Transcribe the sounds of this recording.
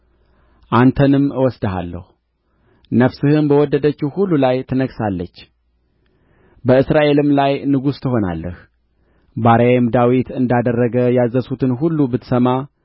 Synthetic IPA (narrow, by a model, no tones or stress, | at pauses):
ʔant̪ʰənɨmwɔsd̪əɦa̰lːə̰hu | nəfsɨhɨnbəwɔd̪ːəd̪ət͡ʃːuhulːulajt̪ʰɨnəɡsalːət͡ʃː | bəɨsɾaʔe̞lɨmlajnɨɡust̪ʰɨɦo̞na̰lːə̰h | baɾəemd̪awit̪ɨnd̪ad̪ərːəɡəjazəsut̪ʰɨnɦulːubɨt̪səma